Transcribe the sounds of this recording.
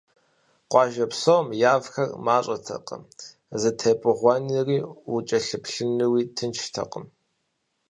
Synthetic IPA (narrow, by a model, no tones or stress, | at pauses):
qʷɑːʒɐpsomjaːvxɐrmaːɕʼɐtʰɐ̰qə̰m | zɨtʰɐpʼɨʁʷɑniriːut͡ʃʼɐɬɨpɬɨnɨwiːtʰɨnt͡ʃʰtʰɐ̰qʼəm